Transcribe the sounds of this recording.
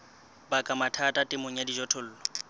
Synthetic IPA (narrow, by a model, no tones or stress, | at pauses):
bakʼamatʰatʼatʼɪmʊŋ̩jadid͡ʒɔtʰʊl̩ːlɔ